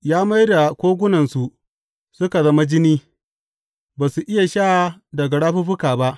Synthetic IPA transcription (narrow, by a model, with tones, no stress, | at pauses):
jaː˦ma˦jda˨kʷoː˦ɡʷʊ˦nɐ˨nsu˨ | sʊ˦ka˨zɐ˦ma˦d͡ʒɪ˦niː˦ | baː˨su˨ʔɪ˦ja˨ʃa˦dɐ˨ɡa˨ɽaː˦ɸu˦ɸʊ˦kaː˨ba˦ʔ